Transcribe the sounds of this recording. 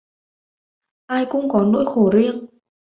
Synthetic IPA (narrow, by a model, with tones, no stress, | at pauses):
ʔaː˧jkʊ̰˧˥ŋ͡mkɔ˨˦no̰˧˥jxo˧˩zi˧əŋ